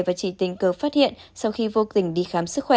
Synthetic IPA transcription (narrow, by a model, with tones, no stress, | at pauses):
vaː˨˩t͡ɕḭ˧˨t̪ï˧˩ŋ̟kəː˨˩faː˦˥t̚hḭ˧˨ənsa˧wxi˧vo˧t̪ï˧˩ŋ̟ɗi˧xaː˨˦msɨ˦˥k̚xwɛ˧˩